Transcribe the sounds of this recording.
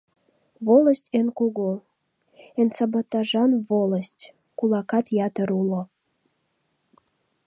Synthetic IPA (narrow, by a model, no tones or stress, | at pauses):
βoləsʲtʲenkuɣo | ensɑbɑt̪ɑʒɑnβoləstʲ | kulɑkɑt̪jɑt̪əɾulo